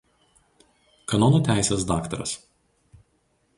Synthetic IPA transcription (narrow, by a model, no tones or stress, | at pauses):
kɐnɔnoːt̪ʲæˑɪsʲeːsd̪ɑːkt̪ɐɾɐ̰s